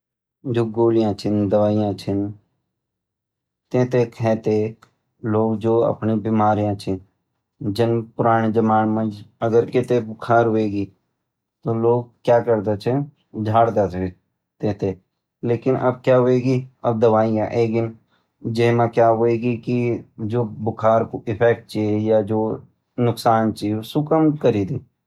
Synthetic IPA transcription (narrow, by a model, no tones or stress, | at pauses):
d͡ʒoːɡoːlɪjãt͡ʃʰɪnd̪əʋaːɪjãːt͡ʃʰɪn | t̪ẽːt̪ekʰɛ̃ːt̪e | loːɡd͡ʒoːə̰pnibɪmaːɾijãt͡ʃʰɪn | d͡ʒɪnpʊɾaːɽ̃ed͡ʒəmaːnmə̃d͡ʒəɡəɾkɪt̪ebʊkʰaːɾɦoeːɡiː | t̪oːloːɡ̚kjaːkəɾd̪et͡ʃʰe | d͡ʒʱaːɽd̪at̪ʰe | t̪et̪ʰe | leːkɪnʔɐ̰b̚kjaɦoeːɡiɐb̚d̪ɐʋaːiãʔeːkɪn | d͡ʒeɦmãkjaːɦoːeːɡikid͡ʒoːbʊkʰaːɾkoʔɪpʰɛːk̚ʈ̚t͡ʃijad͡ʒoː | nʊksaːnt͡ʃisʊkəmkəɾiːd̪eː